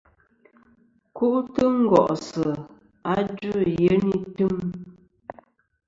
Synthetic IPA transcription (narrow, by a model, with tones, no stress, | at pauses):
ku˦ʔtɨ˦ŋ̩˦ɡɔ˨ʔsə˨ | a˦d͡ʒʉ˦je˨˦ni˦tɨ˦ŋ